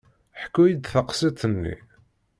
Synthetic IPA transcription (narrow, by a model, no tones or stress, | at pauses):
ħkːujid̪θəqsit̪ˤənːḭ